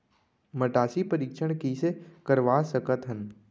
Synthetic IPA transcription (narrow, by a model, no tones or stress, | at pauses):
məʈaːsipəɾiːkʃəɽ̃kisekəɾʋaːsəkət̪ɦən